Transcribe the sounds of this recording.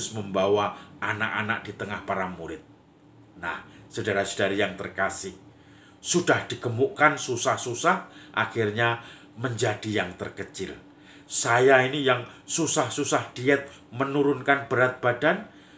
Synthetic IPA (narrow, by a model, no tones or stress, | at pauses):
ʊsməmbawaʔanaka̰nak̚d̥it̪əŋahpaɾamuɾɪt̪̚ | nahsədaɾasə̥d̥aɾijaŋt̪ərkasɪh | sud̥ahd̥iɡ̥əmuʔkansusahsusahʔa̰xirɲa | məɲd͡ʒad̥ijaŋt̪ərkət͡ʃɪl | sajainijaŋsusahsusahd̥iɛt̪̚ | mənuɾʊnkanb̥əɾat̪̚b̥adan